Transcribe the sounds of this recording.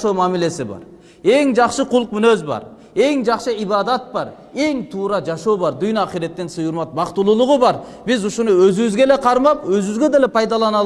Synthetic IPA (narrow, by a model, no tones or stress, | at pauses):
ʃowmæmile̞sɪbɑ̰ɾ | e̞ŋd͡ʒɑqʃəqʰʊlˠəq̚mʏnøzbɑ̰ɾ | e̞ŋd͡ʒɑqʃəibɑd̪ɑt̪̚bɑɾ | e̞ŋt̪ʰuːɾɑd͡ʒɑʃo̞wbɑɾd̪ʊjnɑqijɾet̪ːensəjuɾmɑt̪̚bɑqt̪ulˠulˠʊʁʊbɑɾ | bɪzʊʃʊnəwɵzyβɪzɡʲe̞le̞qʰɑɾmɑpwɵzyβɪzɡʲe̞d̪elepʰɑjd̪ɑlˠɑnɑ